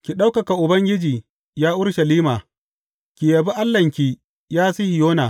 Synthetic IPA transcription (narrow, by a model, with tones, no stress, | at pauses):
kʲi˨ɗa˦wkɐ˨ka˨ʔʊ˨bɐ˦ŋɡʲɪ˦d͡ʒiː˨ | jaː˦ʔʊ˦ɽʃɐ˨liː˦maː˨ | kʲi˨jɐ˨bi˦ʔa˦lːɐ˨ŋkʲi˨ | jaː˦si˦hi˨joː˦naː˨